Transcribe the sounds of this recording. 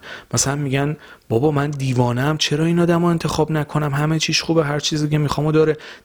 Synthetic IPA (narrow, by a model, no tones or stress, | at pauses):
mæsælænmiɟæn | b̥ɒːbɒːmænd̪iːvɒːnæmt͡ʃʰe̞ɾɒːinɒːd̪æmɒe̞nt̪ʰe̞xɒːbnækʰo̞næmɦæme̞t͡ʃʰiːʃχuːbeɦæɾt͡ʃʰiːzicemixɒːmod̪ɒːɾe